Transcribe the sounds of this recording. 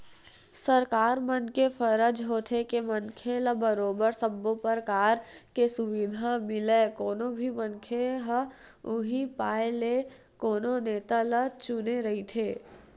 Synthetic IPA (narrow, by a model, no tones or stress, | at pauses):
səɾkaːɾmənkefʰəɾəd͡ʒɦoːt̪ʰekemɐnkʰeləbəɾoːbəɾsəbːopəɾkaːɾkesʊʋɪd̪ʱamɪleːkoːnõbʱimə̃nkʰeɦə | ʊɦipaːele | koːnõneːt̪alət͡ʃʊneɾɐɦit̪ʰeː